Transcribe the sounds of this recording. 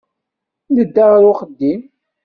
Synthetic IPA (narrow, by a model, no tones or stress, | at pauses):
ləd̪ːaʁɾʊχəd̪ːim